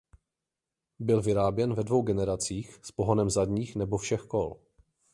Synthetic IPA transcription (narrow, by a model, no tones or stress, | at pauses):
bɪlvɪɾaːbjɛnvɛdvo̞wɡɛnɛɾat͡siːxspo̞ɦonɛmzadɲiːxnɛbo̞fʃɛxkol